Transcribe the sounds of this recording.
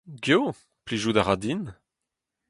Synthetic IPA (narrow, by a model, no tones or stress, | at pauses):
ɡjo | pliʒudaʁadin